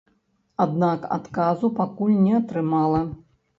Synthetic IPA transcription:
ad̪naka̰t̪kazupakulʲnʲɛɐt̪ɾɨmalˠɐ

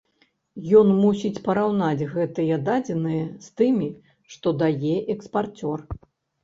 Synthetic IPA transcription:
jɔnmusʲit͡sʲpɐɾawnad͡zʲɣɛt̪ɨjɐd̪ad͡zʲɛnɨjɐst̪ɨmʲi | ʂt̪ɔd̪ajɛʔɛkspart͡sʲɔr

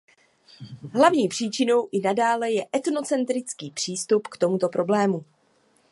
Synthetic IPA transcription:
ɦlavɲiːpr̝̥iːt͡ʃɪno̞wʔɪnadaːlɛjɛʔɛt̪no̞t͡sɛnt̪ɾɪt͡skiːpr̝̥iːst̪upkt̪o̞mut̪o̞pɾo̞blɛːmu

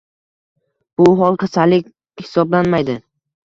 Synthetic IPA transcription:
b̥ʊɦɒlˠk̪ʰasalɪkʲ | hɪ̥sɒblanmajd̪ɪ

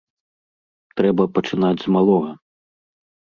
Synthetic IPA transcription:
t̪ɾɛbɐpɐt͡ʂɨnad͡zʲzmalˠɔɣɐ

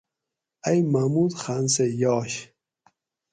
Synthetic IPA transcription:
ɐjmamud̪xansejɔːɕ

